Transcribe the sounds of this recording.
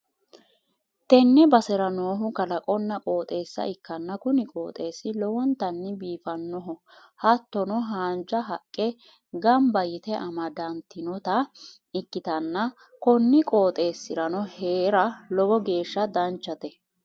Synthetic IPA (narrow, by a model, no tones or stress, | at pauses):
t̪ɛnːɛbɐsɛɾɐnoːɦʊkɐlɐkʼɔnːɐkʼoːt̪ʼe̞ːsːɐ̰ʔɪkːɐnːɐkʊnɪkʼoːt̪ʼe̞ːsːɪlɔwɔnt̪ɐnːɪbiːfɐnːɔɦɔhɐt̪ːɔnɔɦaːnd͡ʒɐɦɐkʼːɛ | ɡɐmbɐjɪt̪ɛʔɐmɐd̪ɐnt̪ːɪnɔt̪ɐ | ɪkːɪt̪ɐnːɐ | kɔnːɪkʼo̞ːt̪ʼe̞ːsːɪɾɐnɔheːɾɐlɔbɔɡe̞ːʃːɐd̪ɐnt͡ʃːɐt̪ɛ